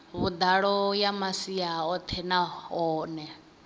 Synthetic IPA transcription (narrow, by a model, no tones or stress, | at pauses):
βud̪aɺɔjamasiaɔt̪ʰɛnaɦɔːnɛ